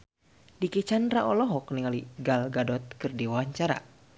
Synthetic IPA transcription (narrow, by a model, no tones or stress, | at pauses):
dikit͡ʃanraʔɔlɔɦɔk̚niŋaliɡalɡadɔt̪̚kɨrdiwawaɲt͡ʃaɾa̰